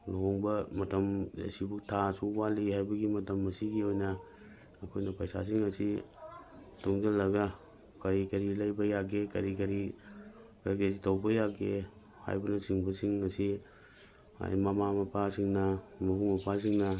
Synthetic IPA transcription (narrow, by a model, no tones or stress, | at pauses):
loŋbɐmɐtɐmjɐ̰sibutʰasuwalihajbɐɡimɐtɐmɐsiɡiojnɐː | kʰojnɐpɐjsa̰s̬iŋɐsi | toŋzɐlːɐɡɐ | kɐɾikɐɾilɐjbɐjaɡekɐɾikɐɾi | kɐɾkɐɾitʰɐwbɐjaɡe | ha̰jbɐnɐsiŋbɐsiŋːɐsi | a̰jmɐmamɐpʰasiŋnɐmɐbuŋmɐpʰas̬iŋnɐ